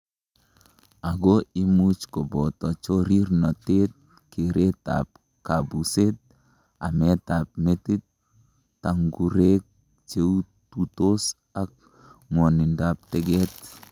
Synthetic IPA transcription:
aɡoimut͡ʃkobɔt̪ɔt͡ʃoɾirnɔtet̪̚ | keɾʔet̪a̰p | kabuset̪̚ | amɛt̪ap̚metɪt̪ː | aŋɡuɾek̚ | t͡ʃeu | tutos | ak̚ | ŋwɔnindap̚t̪ɛɡɛt̪

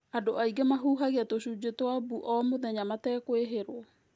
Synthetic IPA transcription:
adoaiɡɛmaɦuːɦaɣeatoɕud͡ʑetwabuʔɔmoðɛɲamatɛːkweɦeɾwɔ

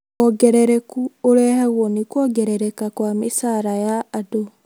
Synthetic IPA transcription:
ɔɡɛɾɛɾɛkuoɾɛhɛɣwɔnekwɔɡɛɾɛɾɛkakwamesaɾajaːdo

